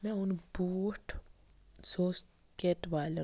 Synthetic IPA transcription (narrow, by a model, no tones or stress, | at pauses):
mɛ̃ʊnbuːʈ | soːs | keːʈʋaːle